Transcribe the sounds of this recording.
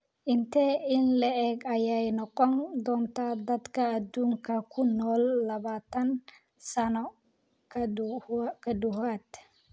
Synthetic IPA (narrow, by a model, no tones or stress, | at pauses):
ʔɪnt̪ɛɪnlɐʔɛːɡɐjɛjnɔqʼɔnd̪ɔːnt̪aːd̪ɐd̪kʰɐːd̪uːŋkʰɐkʰʊnːɔːlːɐβaːt̪ɐn | sɐnɔ | kʰɐd̪ʊhaːt̪